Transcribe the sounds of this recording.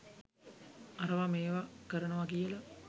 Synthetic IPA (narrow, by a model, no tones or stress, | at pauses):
aɾəʋameːʋakəɾənəʋɐkijəlɐ